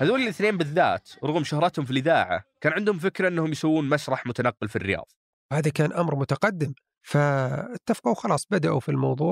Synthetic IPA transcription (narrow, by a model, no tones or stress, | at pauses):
haðoːlɪlʔɪθneːmbɪðːa̰ːt̪ɾˤʊɣmʃʊhɾˤɑt̪hʊmfilʔɪðaːʕa̰kaːnʕɪnd̪hʊmf̬ɪkɾaʔɪnːahʊmjsawːuːnmaʃɾˤɑħmʊt̪anɑqːɪlfirːɪjɑ̰ːðˤ | haːðakaːnʔamɾmʊt̪aqɑd̪ːɪm | faɪt̪ːafqɑwxɑlɑːsˤbad̪aʔufilmɑwðˤuːʕ